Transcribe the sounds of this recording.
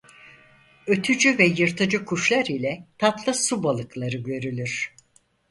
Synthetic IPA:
ø̞t̪ʰyd͡ʒyvɛjɯɾt̪ʰɯd͡ʒɯkʰuʃlˠaɾilʲɛt̪ʰat̪lˠɯsubalˠɯklˠaɾɯɟø̞ɾylʲyɾ̥

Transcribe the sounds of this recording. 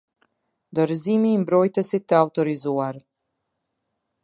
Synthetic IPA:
nd̪ɔɾzimiːmbɾɔjt̪əsit̪ːəawt̪ɔɾizuaɾ

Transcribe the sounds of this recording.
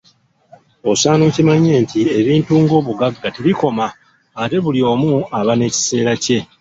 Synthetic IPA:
o̞saːnoːcimaɲːe̞ːntie̞βiːntuːŋɡo̞ːβuɡaɡːateβiko̞maː | te̞βulio̞ːmuaβane̞ːci̥se̞ːɾace̞

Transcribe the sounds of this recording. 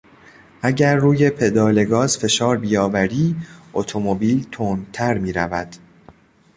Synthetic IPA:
ʔæɟæɾːuːje̞pʰe̞d̪ɒːle̞ɡɒːzfe̞ʃɒːɾbijɒːvæɾiːʔot̪ʰo̞mobiːlt̪ʰoːnt̪ʰæɾmiːɾævæd̪̥

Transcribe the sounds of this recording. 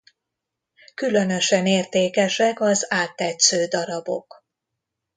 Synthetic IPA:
kylø̞nø̞ʃɛneːrt̪eːkɛʃɛkɒzaːt̪ːɛt̪søːd̪ɒɾɒbo̞̰k

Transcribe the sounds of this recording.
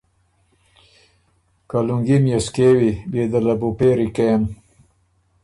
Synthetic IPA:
kaluŋɡimjeskewibed̪əlabupeɾikem

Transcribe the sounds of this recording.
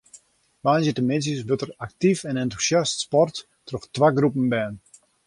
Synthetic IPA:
ʋaːnzətəmɪns̬jəsʋøtəraktifɛnɛntu̥sjastspɔrt | trɔxtʋaɡrupən̩bɛːn

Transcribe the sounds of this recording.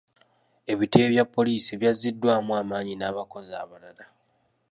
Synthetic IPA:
e̞βiteːβjapːo̞liːsieβjazːidːwaːmuaːmaːɲinaːβako̞za̰ːβalala

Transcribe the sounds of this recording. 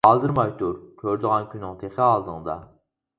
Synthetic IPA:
ɑːzɨɾmɑjʲt̪ʰuɾkʲʰøɾd̪ɨʁɑnkʲʰynːɪŋt̪ʰeχɪɑlˠd̪ɨŋd̪ɑ̰

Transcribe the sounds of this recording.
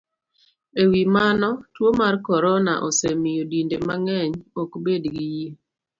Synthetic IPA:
ewimanɔtwomarkɔɾɔna̰ʔɔsemijodindemaŋɛɲɔkbedɡiji

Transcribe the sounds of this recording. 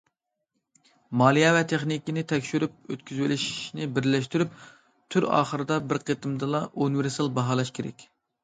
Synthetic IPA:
mɑlˠijɛvɛt̪ʰeχnikʲinɪt̪ʰɛkʲʃyɾyp̚ø̰t̪kʲʰyzwɪlɪʃi̥ʃnɪbɪɾlɛʃt̪yɾyp | t̪ʰyɾɑ̰ːχəɾɨd̪ɑbɪɾqʰet̪ɨmd̪ɨlˠɑʔunweɾsɑlˠbɑɦɑːlˠɑʃkʲʰeɾɛ̰kʲ

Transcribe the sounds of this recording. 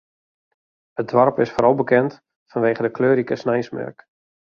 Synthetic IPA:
ət̚dʋɔrpɪsfoɾɔlˠbəkɛnt | fanʋeːχədəkløːɾikəsnɛjsmɛ̰rk

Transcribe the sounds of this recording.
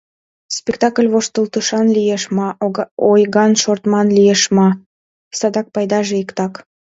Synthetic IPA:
spʲekt̪ɑkəlʲβoʃt̪əlt̪uʃɑnlijeʃmɑojɣɑnʃort̪mɑnlijeʃmɑ | sɑd̪ɑk̚pɑjd̪ɑʒeikt̪ɑk

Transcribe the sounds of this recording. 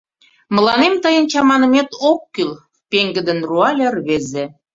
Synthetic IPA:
mə̆lɑnemt̪əjənt͡ɕɑmɑnə̆met̪okːyl | peŋɡə̆d̪ə̆nruɑlʲerβeze

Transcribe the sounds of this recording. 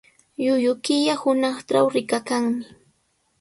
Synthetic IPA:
jʊjʊkɪʎahʊnɑχʈ͡ʂawɾɪkakaŋmɪ

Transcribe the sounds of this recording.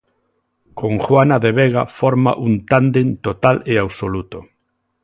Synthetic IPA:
koŋxwanaðeβɛɣ̞afɔɾma̰ʔunt̪and̪ent̪ot̪aleawsolut̪o

